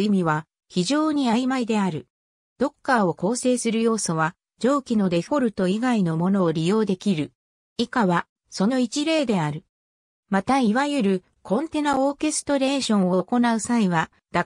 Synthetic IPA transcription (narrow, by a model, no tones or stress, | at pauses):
imʲiβa | çiʑo̞ːɲ̟iaimaid̪e̞aɾɯ̟ | d̪̥o̞kːao̞ko̞ːse̞ːsɨɾɯ̟jo̞ːso̞βa | d͡ʑo̞ːkʲino̞d̪e̞ho̞ɾɯ̟t̪o̞iɡaino̞mo̞no̞ːɾʲijo̞ːd̪e̞kʲiɾɯ̟ | ikaβa | so̞no̞it͡ɕiɾe̞ːd̪e̞aɾɯ̟ | mat̪aiβajɯ̟ɾɯ̟ | kʰõ̞nt̪e̞nao̞ːke̞sɨ̥t̪o̞ɾe̞ːɕõ̞ɰ̃o̞ko̞naɯ̟saiβa | d̪̥a